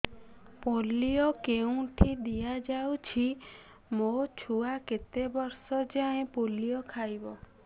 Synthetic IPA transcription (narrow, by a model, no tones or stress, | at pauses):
poliokeũʈʰid̪ijad͡ʒawt͡ʃʰi | mot͡ʃʰuaket̪ebɔɾsɔd͡ʒaẽpolijɔkʰajbɔ